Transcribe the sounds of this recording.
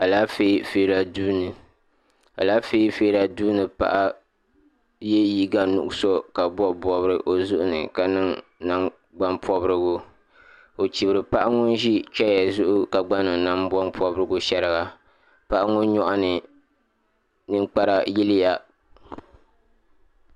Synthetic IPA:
a˨laː˦fe˦feː˨˦ɾa˨duː˦nɨ˨ | a̰˨laː˦feː˦feː˦ɾa˨duː˦nɨ˨pa̰˦ʔa˦ | je˦ji˦ɡa˦nṵ˨ʔʊ˦so˦ka˨bɔ˦bɔ˨bɨ˦ɾɨ˦ʔo˨zʊ˦ʔʊ˦nɨ˨ka˨nɨ˦ŋna˦ŋ | ɡ͡ba˦npʰɔ˦bɨ˦ɾɨ˦ɡʊ˦ | o˨t͡ʃi˨bɨ˨ɾɨ˨pa˦ʔa˦ŋʊ˦n˦ʒi˦t͡ʃɛ˦ja˨zʊ˦ʔʊ˦ka˨ɡ͡ba˦nɨ˨ŋ˨na˦mbɔ˦npʰɔ˦bɨ˦ɾɨ˦ɡʊ˦ʃɛ˦ɾɨ˦ɡa˨ | pa˦ʔa˦ŋʊ˦n˦ɲɔ˦ʔa˦nɨ˨ | nɨ˦ŋk͡pa˦ɾa˨ji˦lɪ˦ja˦

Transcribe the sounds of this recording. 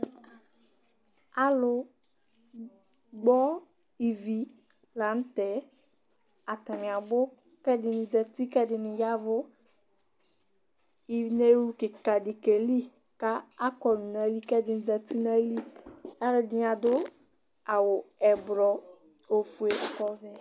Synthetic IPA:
a˨lʊ˨ | ɡ͡bɔ˦ | i˨vi˨ | la˨n̩˦tɛ˨ | a˨ta˨mɪ̃˨a˨bʊ˦ | kɛ˦dɪ˨nɪ˨d͡zɛ˨t̪i˦kɛ˦dɪ˨nɪ˨ja˦vʊ˦ | i˨ne˦wu˦kɪ˨ka˨dɪ˨ke˨li˦ | ka˦a˦kɔ˨n˨na˨˦li˦kɛ˦dɪ˨n˨d͡zɛ˨ti˦n˦a˦li˦a˦lʊ˨dɪ˨˦˨a˨dʊ˦ | a˨wʊ˨ɛ˨bɾɔ˨ | o˨fu˨e˨kɔ˦vɛ˨

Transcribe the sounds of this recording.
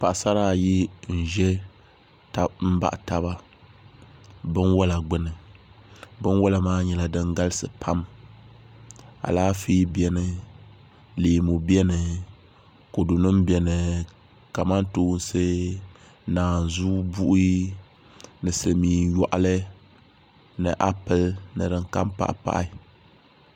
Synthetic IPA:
pa˨ʔsa˦ɾaː˦˨ji˦n̩˨ʒɛ˦ | ta˨m̩˦ba̰˦ʔta˦βa˦ | bɨ˦nwɔ˦la˨ɡ͡bɨ˦nɨ˨ | bɨ˦nwɔ˦la˨maː˦ɲɛ˨la˨dɨ˦ŋɡa˦lɨ˦sɨ˨pʰa˦m | a̰˨laː˦fi˦bɛ˦nɨ˨ | leː˨mo˨bi˦ɛ˦nɨ˨ | ko˨du˨nɨ˦mbɛ˨nɨ˨ | ka˨ma˦ntoː˦n̩˦se˦ | naː˨n˨zu˦bu˦ʔ | nɨ˨sɨ˨miː˨njɔ˨ʔa˨lɨ˦ | nɨ˨ʔa˦pɨ˦lnɨ˨ɾɨ˨ŋka˦mpa̰˨ʔpa̰˦ʔ

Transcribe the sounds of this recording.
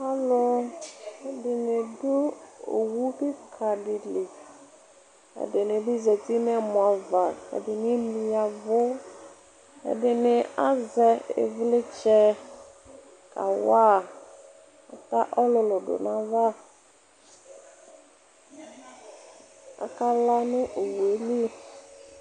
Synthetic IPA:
ha˦lo˦ | ɛ˦dɪ˨nɪ˨dʊ˦o̰˨wu˦kɪ˦kʰa˨dɪ˨lɪ˨ | ɛ̰˨dɪ˨nɪ˨di˦zɛ˨ti˦nɛ˦˨mʊ̃˨a˨va˨kɛ̰˨dɪ˨nɪ˦mi˨ja˨vʊ˦ | ɛ̰˨dɪ˨nɪ˨a˦zɛ˦ɪ̰˨vlɪ˦t͡ʃɛ˦ | ka̰˨wa˦˨ | a̰˨ta˦ʔɔ˦lʊ˨lʊ˨dʊ̰˨nã˨va˦ | a̰˨ka˦la˦nʊ̃˦ʔo˨wu˨e˦li˦

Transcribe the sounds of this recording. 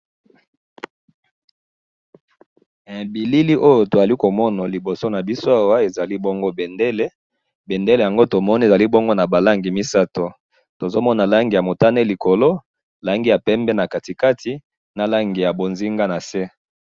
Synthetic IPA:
bi˨li˦li˦ʔo˦jo˨to˨za˨li˦ko˨mɔ˦na˨li˨bo˨so˦na˨bi˦so˦a˦wa˦e˨za˨li˦bo˦ŋɡo˦be˨nde˦le˦ | be˨nde˦le˨ja˨ŋɡo˦to˨mɔ˦ni˦˨za˨li˦bo˦ŋɡo˦na˨ba˨la˦ŋɡi˨mi˦sa˦to˨ | to˨zo˦mɔ˦na˨la˦ŋɡi˨ja˨mo˨ta˦ne˦li˨ko˨lo˦ | la˦ŋɡi˦ja˨pɛ˦mbɛ˦na˨ka˨ti˨ka˦tʰi˦ | na˨la˦ŋɡi˨ja˨bo˨nzi˦ŋɡa˦na˨se˦

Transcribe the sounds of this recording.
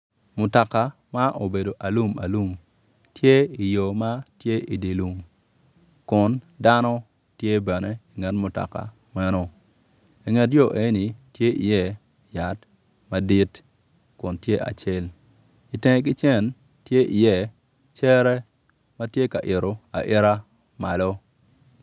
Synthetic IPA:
mʊ˨ta˨ka˨ | ma˦ʔo˨be˨do˨ʔa˨lu˦˨ma˨lu˦˨m | tje˦i˨jo˨ma˦tje˦ʔi˨di˨lu˨ŋ | kʊ˨n | da˦nɔ˦ | tje˦bɛ˨ne˦i˨ŋɛ˨tmʊ˨ta̰˨ka̰˨ | mɛ˦no˦ | i˨ŋɛ˨tjo˦˨ʔe˦ni˨tje˦ʔi˨jɛ˦ | ja˨t | ma˦di˦t | kʊ˨ntje˦ʔa̰˨t͡ʃe˦l | i˨tẽ˨ŋ˦k̬ɪ˦t͡ʃɛ˦˨n | tje˦ʔi˨jɛ˦˨ | t͡ʃɛ˦ɾɛ˦ | ma˦tje˦ka˨ʔɪ˨ɾo˨a̰˨ʔɪ˦ɾa˦ | ma˨lo˦

